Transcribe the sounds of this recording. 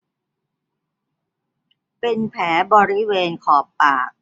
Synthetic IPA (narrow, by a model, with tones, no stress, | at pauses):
pe˧npʰɛː˩˦bɔː˧ɾi˦˥weː˧nkʰɔː˨˩pːaː˨˩k̚